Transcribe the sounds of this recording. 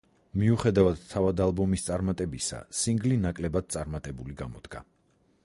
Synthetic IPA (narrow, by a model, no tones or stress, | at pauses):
miuχɛd̪avad̪̥t̪ʰavad̪alˠbɔmist̪sʼaɾmat̪ʼɛbisa̰siŋɡlinakʼlɛbad̪̥̚t̪sʼaɾmat̪ʼɛbuliɡamɔd̪̥ɡa̰